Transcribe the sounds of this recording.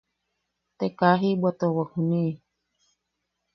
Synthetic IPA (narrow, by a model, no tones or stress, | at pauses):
t̪ekaɦibwat̪owahunĩ